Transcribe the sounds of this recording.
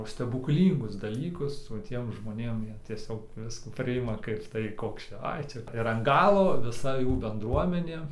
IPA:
sʲtʲɛbʊkˈlʲiːŋɡʊs dɐˈlʲiːkʊs oː ˈtʲiɛm ʒmoːˈnʲeːm ˈjiɛ tʲiɛˈsʲoːk ˈʋʲɪskuː ˈpʲrʲɪɪmɐ ˈkɐɪp tɐɪ ˈkoːks ˈt͡ʃʲɛ ˈɐɪ ˈt͡ʃʲɛ ɪr ɐn ˈɡɑːlˠoː ʋʲɪˈsɐ ˈjuː bʲɛnˈdruɔmʲɛnʲeː

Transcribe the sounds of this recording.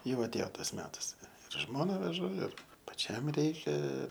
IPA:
ˈjɛʊ ɐtʲˈeːjoː ˈtɐs ˈmʲæːtɐs ɪr ˈʒmoːnɐ ʋʲɛˈʒʊ ɪr pɐˈt͡ʃʲɛm ˈrʲɛɪkʲɛ

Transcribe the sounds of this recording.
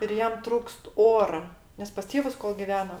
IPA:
ɪr ˈjɛm ˈtruːkst ˈoːrɐ nʲɛs pɐs ˈtʲeːʋʊs koːlˠ ɡʲɪˈʋʲæːnoː

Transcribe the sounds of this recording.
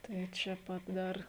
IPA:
ˈtɐɪ t͡ʃʲɛ ˈpɐt ˈdɐr

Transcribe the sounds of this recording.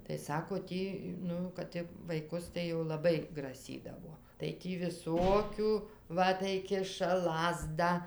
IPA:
tɐɪ ˈsɑːkoː ˈtʲiː ˈnʊ kɐt tʲɪ ʋɐɪˈkʊs tɐɪ jɛʊ lˠɐˈbɐɪ ɡrɐˈsʲiːdɐʋoː tɐɪ ˈtʲiː ʋʲɪˈsoːkʲʊ ˈʋɐ tɐɪ ˈkʲɪʃɐ ˈlˠɑːzdɑː

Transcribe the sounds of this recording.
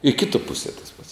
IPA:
ɪ ˈkʲɪtuɔ ˈpʊsʲiɛ tɐs pɐts

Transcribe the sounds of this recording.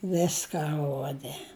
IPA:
ˈʋʲɪskɐ ˈruɔdʲɛ

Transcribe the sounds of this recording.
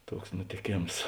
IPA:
ˈtuɔks nʊtʲeːˈkʲeːms

